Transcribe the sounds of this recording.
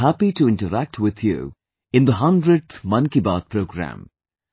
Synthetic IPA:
æpiʈuɪ̃ɳʈəɾæk̚ʈʰwɪd̪ʰjṵ | ɪ̃nd̪əɦʌ̃nɖɾeɖ̚t̪ʰmʌ̃nkibat̪̚pɾoɡɾæ̰̃m

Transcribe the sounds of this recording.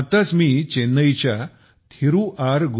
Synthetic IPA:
t̪at͡smiːt͡ɕenəjt͡ɕja | t̪ʰiɾũʔaɾɡ

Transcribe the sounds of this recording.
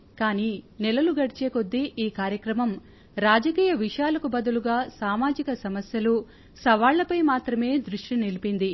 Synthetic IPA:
kaːninɛlɐluɡɐɽit͡ʃeːko̞d̪ːiʔiːkaːɾjɐkɾɐmɐm | ɾaːd͡ʒɐkiːjɐʋiʂjaːlɐkubɐd̪ɐluɡaːsaːmaːd͡ʒikɐsɐmɐsjɐlu | sɐʋaːɭːɐpɐjmaːt̪ɾɐme̞ːd̪ɾuʂʈinilipind̪i

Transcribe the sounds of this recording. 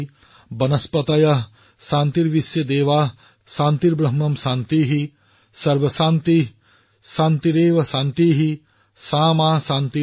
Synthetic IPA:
bɐnɐspɐt̪ɐjɐɦ | ʃaːnt̪iɾʋisjɐd̪eːʋaːɦ | ʃaːnt̪iɾbɾɐɦmɐmʃaːnt̪iːɦi | sɐɾʋɐsaːnt̪i | ʃaːnt̪iɾeːʋɐʃaːnt̪iːɦi | saːmaːsaːnt̪i

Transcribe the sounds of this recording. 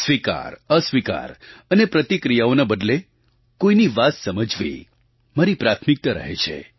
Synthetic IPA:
sʋika̰ɾəsʋika̰ɾənepɾət̪ikɾijaonabəd̪le | koiniʋat̪səməd͡ʒʋḭ | maɾipɾat̪ʰmik̚t̪əɾə̰ɦḛt͡ʃʰḛ

